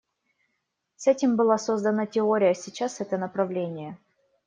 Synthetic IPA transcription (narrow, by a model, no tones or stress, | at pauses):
sɛtʲɪmbɨlˠasozd̪ənətʲɪoɾʲɪjəsʲɪt͡ɕasɛt̪ənəpɾɐvlʲenʲɪjə